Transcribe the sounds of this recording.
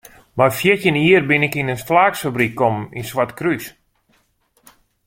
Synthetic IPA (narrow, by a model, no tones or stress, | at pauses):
bajfjɪtəniərbɪnɪkinənstlaːksfabrikkːɔməninswatkrys